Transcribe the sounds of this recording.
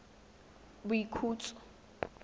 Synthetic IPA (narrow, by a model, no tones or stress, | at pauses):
buikʰuːt͡sʼɔ̥